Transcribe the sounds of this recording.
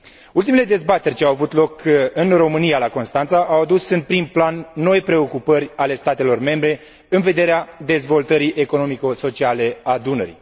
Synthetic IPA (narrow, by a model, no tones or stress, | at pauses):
ult̪imele̞d̪e̞zbat̪e̞rʲt͡ʃeawavut̪lo̞kɨnro̞mɨnijalako̞nst̪ant̪saʔawad̪usɨnd̪pɾimplanːo̞jpɾe̞o̞kupərʲale̞st̪at̪e̞lo̞rme̞mbɾe̞ | ɨnve̞d̪e̞ɾead̪e̞zvo̞lt̪əɾiʔe̞ko̞no̞mikoso̞t͡ʃiale̞ad̪unəɾḭ